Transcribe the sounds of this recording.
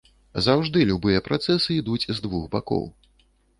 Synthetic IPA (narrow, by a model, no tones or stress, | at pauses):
zawʐd̪ɨlʲubɨjɛpɾat̪sɛsɨid̪ut͡sʲzd̪vuxba̰kɔ̰w